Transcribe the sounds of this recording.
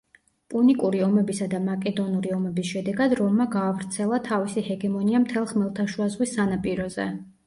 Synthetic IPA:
pʼunikʼuɾiɔmɛbisad̪amakʼɛd̪ɔnuɾiɔmɛbisʃɛd̪ɛɡad̪ɾɔmmaɡaːvɾt̪sʰɛlˠat̪ʰavisihɛɡɛmɔniamt̪ʰɛlˠχmɛlˠt̪ʰaʃuazʁwisːanapʼiɾɔzɛ̰

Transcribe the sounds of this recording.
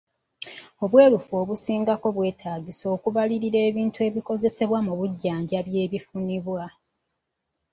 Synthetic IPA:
o̞βwe̞ːɾufo̞ːβusiːŋɡako̞βwe̞ːtʰaːɡiso̞ːkuβaliɾiɾe̞ːβiːntue̞ːβiko̞ze̞se̞βwamuβuɟːaːɲɟaβje̞ːβifuniβwa

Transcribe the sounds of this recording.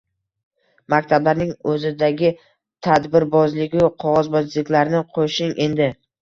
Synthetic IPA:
makʲt̪ʰablaɾnɪŋɵzɪd̪aɡʲɪ | t̪ʰad̪bɪɾbɒzlɪɡʲɪqʰɒʁɒzbɒzlɪkʲlaɾnɪqʰoʃɪŋʔe̞nd̪ɪ

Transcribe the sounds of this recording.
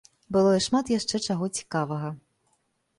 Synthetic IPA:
bɨlˠɔiʂmat̪jaʂt͡ʂɛt͡ʂaɣɔt͡sʲi̥kavɐɣɐ

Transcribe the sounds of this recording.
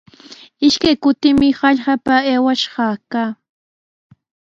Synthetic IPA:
ɪʃkajkʊt̪ɪmɪhɑʎɢɑpaeːwaʃɢɑːkaː

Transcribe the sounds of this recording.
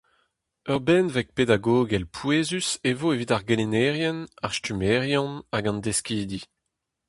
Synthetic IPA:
œʁbɛnvɛk̚ped̪aɡoːɡɛlpʰweːzysevoevitaʁɡelenɛːʁjɛnaʁstymɛːʁjɔ̃naɡɑ̃nd̪eskiːd̪i

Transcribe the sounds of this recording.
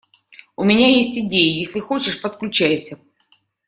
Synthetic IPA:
ʊmʲɪnʲajesʲtʲɪdʲejəjesʲlʲɪxot͡ɕɪʂpət̪klʲʉt͡ɕæjsʲə

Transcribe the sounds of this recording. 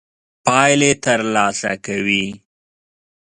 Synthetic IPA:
pɑjlet̪əɾlɑsa̰kawi

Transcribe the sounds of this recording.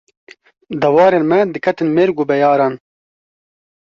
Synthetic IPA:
d̪ɐwɑːɾeːnmɛd̪ɨkʰɐt̪ɨnmeːɾɡubɛjɑːɾɑːn

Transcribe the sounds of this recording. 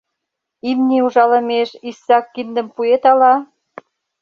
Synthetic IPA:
imnʲiuʒɑlə̆meʃisːɑkːind̪ə̆mpuet̪ɑlɑ

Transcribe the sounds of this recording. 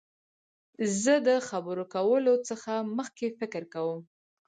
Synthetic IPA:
zəd̪əxabəɾokawəlot͡səxaməxkefɪkəɾkawəm

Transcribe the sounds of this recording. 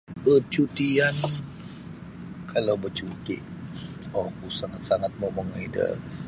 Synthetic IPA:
bət͡ʃut̪ian | kʰalawbət͡ʃut̪ḭʔ | ɔkusaŋat̪̚saŋat̪̚maməŋidə̰

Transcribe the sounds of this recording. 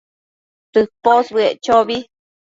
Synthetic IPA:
t̪ɨposβɨeʔt͡ʃoβi

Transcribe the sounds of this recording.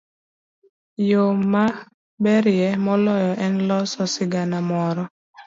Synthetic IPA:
joma | bɛɾɪɛmɔlɔjɔʔɛnlɔsɔsɪɡanamɔɾɔ

